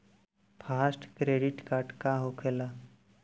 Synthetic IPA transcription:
fʰasʈkɾeɖiʈkaɾʈkaɦokʰela

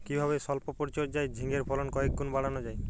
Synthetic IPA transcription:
kibʱaβesɔlpopoɾit͡ʃoɾd͡ʒajd͡ʒʱiŋeɾpʰɔlɔnkɔek̚ɡonbaɽanod͡ʒaj

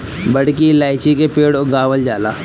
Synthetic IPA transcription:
bɐɽkilaːɪt͡ʃikepeːɽoɡaːʋəld͡ʒaːla̰ː

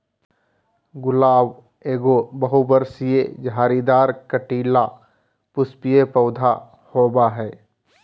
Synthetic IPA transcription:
ɡʊlaːw | eːɡobəɦubəɾsijed͡ʒʱaːɾid̪aːɾkəʈiːla | pʊspijepəʊd̪ʱa | hoːbaɦɛː

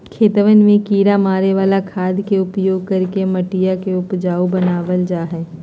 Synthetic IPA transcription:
kʰeːt̪ʋənmẽkiːɾamaːɾeʋaːlakʰaːd̪keʊpjoːɡ̚kɐɾkemɐʈijakeʊpd͡ʒaːubɐnaːʋəld͡ʒaːɦɛː

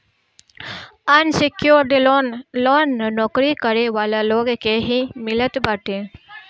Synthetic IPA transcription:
ɐnsɪkjoːɾɖilonloːnːnɔːkɾikəɾeʋaːlaloːɡkeɦimɪlət̪baʈẽː

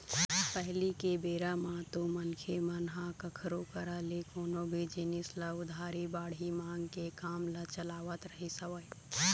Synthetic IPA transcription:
pɛɦlikebeːɾamãt̪omɐnkʰemənɦãkɐkʰɾokəɾaːlekoːnobʱid͡ʒɪnɪslaʊd̪ʱaːɾibaːɽimãːŋɡkekaːmlat͡ʃəlaːʋət̪ɾəɦisɐʋəj

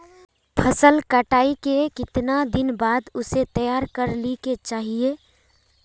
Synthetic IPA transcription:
pʰəsəlkəʈaːikekɪt̪nad̪ɪnbaːd̪ʊset̪əjaːɾkəɾliket͡ʃaːɦieː

